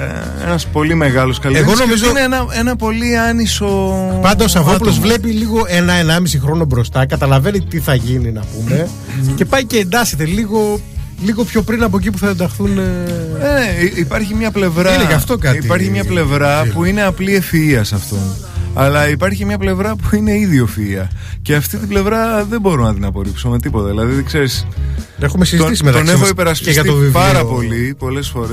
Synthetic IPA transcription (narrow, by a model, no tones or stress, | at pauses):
ḛnɐspo̞lime̞ɣɐlo̞skɐlieɣo̞no̞mizoneenɐenɐpo̞liɐnisopɐnd̪ɐosɐvop̬ulozvle̞piliɣo̞enɐenɐmisixɾo̞no̞bɾo̞st̪ɐkɐt̪ɐlɐve̞nit̪iθɐʝininɐpume̞ | ce̞pɐjce̞ːnd̪ɐse̞t̪e̞liɣo̞ | liɣo̞pço̞pɾinɐp̬o̞ec̬ip̬uθɐend̪ɐxθuneneiipɐɾçimɲɐple̞vɾɐeɐft̪o̞kɐtiipɐɾçimɲɐple̞vɾɐpuine̞ɐpliefiiɐsɐft̪o̞ | ɐlɐipɐɾçimɲɐple̞vɾɐpuine̞iðio̞fiiɐce̞ɐft̪it̪ible̞vɾɐðe̞mbo̞ɾonɐt̪inɐpo̞ɾipsome̞t̪ipo̞t̪ɐðilɐðiðkse̞ɾis | exumesizt̪t̪isimet̪oneɣoipe̞ɾɐspissɐt̪ovivpɐɾɐpo̞lipo̞le̞sfo̞ɾe